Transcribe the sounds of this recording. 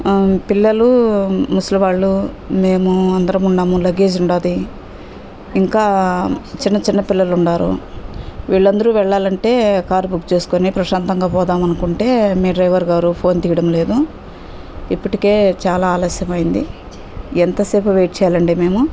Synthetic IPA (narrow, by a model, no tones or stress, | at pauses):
pilːɐlumuslɐʋaːɭːu | me̞ːmuɐnd̪ɐɾɐmuɳɖaːmulɐɡe̞ːd͡ʒiuɳɖaːd̪i | iŋkaːt͡ʃinːɐt͡ʃinːɐpilːɐluɳɖaːɾṵ | ʋiːɭːɐnd̪ɐɾuʋɛɭːaːlɐɳʈe̞ːkaːɾbukt͡ʃe̞ːsu̥koːnipɾɐʃaːnt̪ɐŋɡaːpɔːd̪aːmɐnukuɳʈe̞ːmiːɖɾɐjʋɐɾɡaːɾupʰo̞ːnt̪iːjɐɽɐmle̞ːd̪u | ipːuʈike̞ːt͡ʃaːlaːlɐsjɐmɐjind̪i | ɛnt̪ɐseːpuʋeːʈ̚t͡ʃɛːjaːlɐɳɖeːme̞ːmu